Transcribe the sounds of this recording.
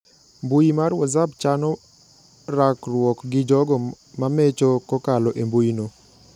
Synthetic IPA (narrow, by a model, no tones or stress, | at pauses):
mbujimaɾwɔzab̚t͡ʃanɔ | ɾakrwɔkɡɪd͡ʒɔɡɔ | mamet͡ʃokɔkalɔʔembujino